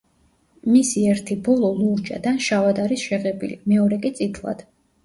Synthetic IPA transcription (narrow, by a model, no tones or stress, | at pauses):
misiɛɾt̪ʰibɔlˠɔlˠuɾd͡ʒa̰d̪anʃavad̪aɾisʃɛʁɛbḭlḭmɛɔɾɛkʼit̪sʼit̪ʰlˠa̰d̪̥